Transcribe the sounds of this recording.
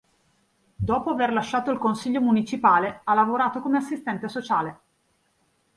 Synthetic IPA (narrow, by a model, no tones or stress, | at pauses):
d̪ɔːpoaverlaʃːaːt̪oilkonsiʎːomunit͡ʃipaːlealːavoɾaːt̪okomeasːist̪ɛnt̪esot͡ʃaːle